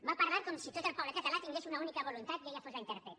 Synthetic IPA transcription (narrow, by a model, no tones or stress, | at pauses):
mapaɾβaɾk̪omsit̪ot̪elpawlet̪at̪alat̪iŋɡlesunaunikaβolunt̪at̪̚ɡejafozlaint̪eɾpet̪